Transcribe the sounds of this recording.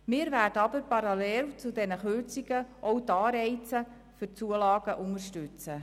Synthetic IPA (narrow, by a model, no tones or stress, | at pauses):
mɪːɾvæːrdəɑbəɾpɑɾɑlɛlt͡sudɛnəχørt͡siɡəʔɔwtɑːɾɛɪt͡sə | fʏt͡suəlɑːɡ̥əʔʊŋəɾʃtʉt͡sə